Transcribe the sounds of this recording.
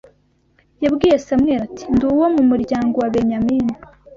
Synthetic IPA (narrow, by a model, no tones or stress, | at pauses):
jabɡiːjesamŋeːɾatʰi̥nduwomumuɾɟaːŋɡo̞waβeɲamiːnu̥